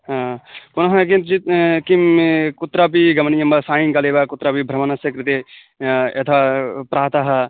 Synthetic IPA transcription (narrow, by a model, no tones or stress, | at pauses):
ɦãːpʊnɐɦɐkint̪d͡ʒit̪kimkut̪ɾap̬iɡɐmɐnijɐmbɐsaːjiŋɡɐleːʋakʊt̪ːɾaːpibʱɾɐmɐnɐsjɐkɾɪt̪e | et̪ʰapɾaːt̪ɐɦɐ